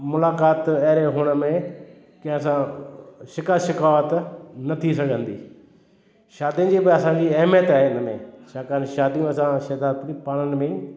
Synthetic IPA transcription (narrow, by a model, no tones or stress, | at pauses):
mʊlaːkaːt̪ɐːɾeɦʊɽ̃əmẽ | kɐ̃ɦɪ̃sãʃɪkaːʃɪkaːʋət̪nɐt̪ʰisɐɡʱə̃nd̪ḭː | ʃaːd̪ijə̃d͡ʑibɪɐsãɲd͡ʑiɐɦmjət̪aːɦeɪnəmḛ̃t͡ʃʰaːkaːnʃaːd̪ijũɐsãʃeːd̪aːd̪ipaːɽ̃ənɪ̆mẽ